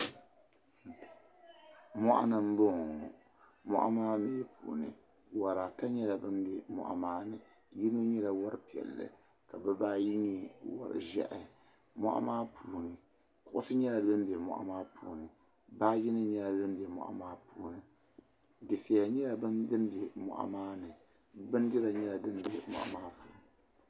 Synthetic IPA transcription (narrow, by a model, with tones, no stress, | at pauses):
mɔ˦ʔa̰˦nɨ˨m̩˦bo˦ŋ˨ | mɔ̰˦ʔa̰˦maː˦meː˦pʰṵː˨nɨ̰˨ | wa˨ɾa˨ta˦ɲɛ˦la˨bɨ˦m˦bɛ˨mɔ̰˨ʔa̰˨maː˦nɨ˨ | ji˦nɨ˦ɲɛ˦la˨wɔ˦ɾɨ˦pi˨ɛ̰˨lːɨ̰˨ | ka˨bɛ˦baː˦ji˦ɲɛ˨wa̰˦ɾɨ̰˨ʒɛ̰˦ʔɪ˨ | mɔ̰˦ʔa̰˦maː˦pʰuː˨nɨ˨ | kʊ˨ʔʊ˦sɨ˦ɲɛ˦la˨dɨ˦m˦bɛ˨mɔ̰˨ʔa̰˦maː˦pʰuː˨nɨ˨ | baː˦ji˦nɨ˦ɲɛ˦la˨dɨ˦mbɛ˨mɔ̰˨ʔa̰˦maː˦puː˦nɨ˨ | dɨ˨fɛ˨a˨ɲɛ˦la˨bɨ˦dɨ˦m˦bɛ˨mɔ̰˨ʔa̰˨maː˦nɨ˨ | bɨ˦n˦dɨ˦la˨ɲɛ˦la˨dɨ˦n˦bɛ˨mɔ̰˨ʔa̰˨maː˦puː˨nɨ˨